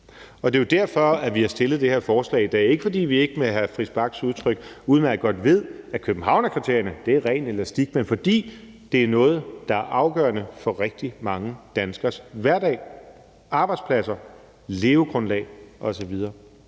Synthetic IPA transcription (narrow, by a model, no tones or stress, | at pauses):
ɒ̽d̥e̝jod̥æɐ̰fɒ̽æʋihɑ̈sd̥e̝lð̞̩ˠd̥e̝heɐ̰fɒːslɛ̰ːid̥ɛ̰e̝ɡ̥əfɒ̽d̥ḭːʋie̝ɡ̥əmeɦæfʁisb̥ɑ̈ɡ̥suð̞ˠt͡sʰʁœɡ̥uːðˠnææɡ̥ɒ̽d̥ʋe̝ð̰ˠækʰøb̥n̩ɦɑ̈ʊ̰næɐkʰit͡sʰe̝ɐ̰jɐnəd̥e̝æʁɛ̰ːnelɐsd̥iɡ̥̚menfɒ̽d̥ḭː | d̥e̝æɐnɔ̽ːð̞̩ˠd̥ɑ̈æɐʔɑ̈ʊɡ̥ɶ̰ːɐnəfɒ̽ʁeɡ̥̚d̥imɑ̈ŋəd̥ænsɡ̥ɐsʋæɐ̰d̥ɛ̰ː | ɑ̈ːb̥ɑ̈ɪd̥spʰlæsɐ | le̝ːʊɡ̥ʁɔnlɛ̰ːɪɒ̽sɒ̽ʋið̞ˠɐː